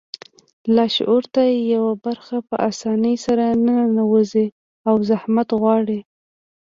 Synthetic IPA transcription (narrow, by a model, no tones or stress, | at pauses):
lɑʃʔuɾt̪ajejawabaɾxapəʔasɑnəjsaɾanaanawəzi | awzahmat̪ɣwɑɽi